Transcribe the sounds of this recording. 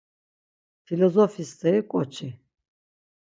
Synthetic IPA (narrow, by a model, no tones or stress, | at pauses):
pʰilɔzɔfist̪ʰɛikʼɔt͡ʃʰi